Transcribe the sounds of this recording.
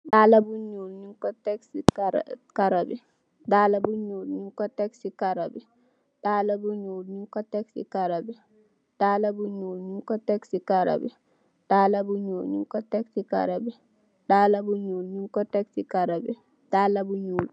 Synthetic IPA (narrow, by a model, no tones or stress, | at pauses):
ɗaːlabuɲulɲiŋkɔtɛksikaɾabɛ | dalabuɲuːlɲiŋkɔtɛksikaɾabɛ | ɗaːlabuɲuːlɲiŋkɔtɛksikaɾabɛ | daːlabuɲuːlɲiŋkɔtɛksikaɾa̰bɛ̰ | daːlabuɲuːlɲiŋkɔtɛksika̰ɾabɛ | ɗaːlabuɲuːlɲiŋkɔtɛksikaɾabɛ̰ | daːlabuɲuːl